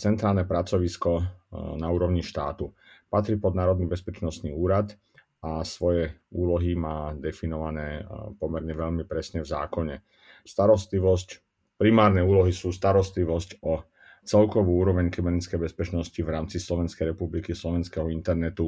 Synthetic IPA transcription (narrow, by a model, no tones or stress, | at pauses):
t͡sɛnt̪ɾaːlnɛpɾat͡sɔʋiskɔnauːɾɔʋʊɲiʃt̪aːt̪u | pat̪ɾipɔd̪naːɾɔd̪nibɛspɛt͡ʃnɔst̪niːuːɾat̪ | asʋɔjɛuːlɔɦimaːd̪ɛfinɔʋanɛːpɔmɛɾɲɛʋɛʎmipɾɛsɲɛvzaːkɔɲɛ | st̪aɾɔst̪liʋɔsc | pɾimaːɾnɛuːlɔɦisuːst̪aɾɔst̪liʋɔscɔ | t͡sɛlkɔʋuːuːɾɔʋɛɲkɛbɛɾnit͡skɛjbɛspɛt͡ʃnɔsciʋɾaːmt͡sislɔʋɛnskɛjɾɛpublikislɔʋɛnskɛɦɔint̪ɛɾnɛt̪u